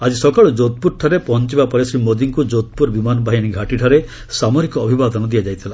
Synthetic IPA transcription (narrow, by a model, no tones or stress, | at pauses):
ad͡ʒisɔkaɭɔd͡ʒot̪̚puɾʈʰɔɾepɔnt͡ʃibapɔɾesɾimod̪iŋkud͡ʒot̪̚puɾbimanɔbʱaɦjaniɡʱaʈiʈʰɔɾe | samɔɾikɔːbʱibad̪ɔnɔd̪ijad͡ʒajt̪ʰila